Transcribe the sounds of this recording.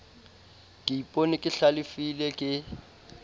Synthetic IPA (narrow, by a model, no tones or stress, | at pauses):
kʼɪipʼonikʼɪɬalɪfilɛkʼɪ